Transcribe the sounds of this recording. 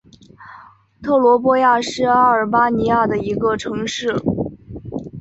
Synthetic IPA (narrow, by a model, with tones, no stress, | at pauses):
t̪ʰɤ˥˩lwɔ˧˥p̬wɔ˥ja˥˩˧ʂɻ̩˥˩a˥ə˞˨˩pa˥ni˧˥ja˥˩d̪ə˩i˧˥ɡə˧ʈ͡ʂʰɤ˧˥ŋʂɻ̩˥˩